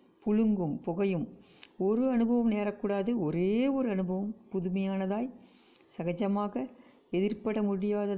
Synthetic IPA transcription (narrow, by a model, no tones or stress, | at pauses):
pʊɻɯŋɡɯmpɔɣɐjɯm | ɔɾɯɐnɯbɐʋɐmneːɾɐkːuːɽaːðɯɔɾeːɔɾɯɐnɯbɐʋɐmpʊðʊmɐjaːnɐðaːj | sɐɣɐd͡ʒɐmaːɣɐ | ɛðɪrpɐɽɐmʊɽɪjaːðɐ